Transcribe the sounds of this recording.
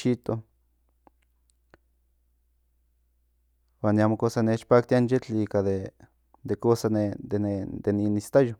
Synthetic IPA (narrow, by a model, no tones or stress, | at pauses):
it̪o | waːnjamokosanet͡ʃpak̚t̪ianjet͡ɬikaðe | d̪ekosaed̪ened̪eninist̪ajo